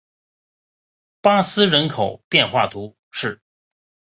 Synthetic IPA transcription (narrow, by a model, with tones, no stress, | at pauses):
pa˥sɹ̩˥ɻə˧˥nkʰo˨˩ʊpjɛ˥˧nxwa˥˩t̪ʰu˧˥ | ʂɻ̩˥˩